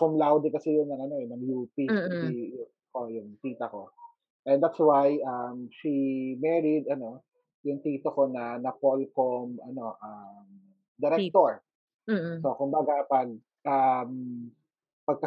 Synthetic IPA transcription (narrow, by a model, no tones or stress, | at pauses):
komlawd̪ikɐsɛjʊnɐŋɐno̞ɛnɐŋjuːp̪iijʊ | ʔojʊŋt̪iːt̪ɐko̞ | ʔɛnd̪at̪swajʔɐmʃimɛɹid̪ɐno̞ | jʊŋt̪iːt̪oko̞nɐnɐpolkomʔɐno̞ʔɐm | d̪ɪɾɛk̚t̪oɹ | so̞kʊmbaɡapɐɡ̚ | ʔɐm | pɐɡ̚kɐ